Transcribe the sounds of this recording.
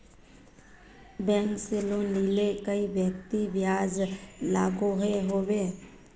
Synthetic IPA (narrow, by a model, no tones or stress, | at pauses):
bɛ̃ːŋkseloniːlekəiʋjəkt̪iʋjaːd͡ʒlaːɡoɦeɦoʋeː